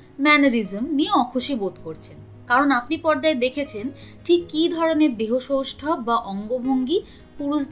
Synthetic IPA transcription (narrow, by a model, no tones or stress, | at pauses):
mɛnoɾizemnieɔkʰoʃibot̪koɾt͡ɕʰen | kaɾonapnipɔɾd̪aed̪ekʰet͡ɕʰenʈʰikːid̪ʱɔɾoneɾd̪eɦoʃowʃʈʰɔb̚baʔɔŋɡobʱoŋɡi | puɾuʃd̪